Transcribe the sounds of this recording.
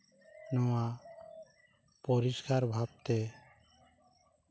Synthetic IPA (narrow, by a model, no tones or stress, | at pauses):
nɔwa | pɔɾiskaɾbʱab̚t̪e